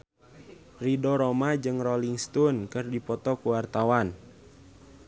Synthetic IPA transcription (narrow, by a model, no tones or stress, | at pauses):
ridɔɾɔmad͡ʒɨŋrɔliŋst̪unkɨrdipɔt̪ɔkuwart̪awan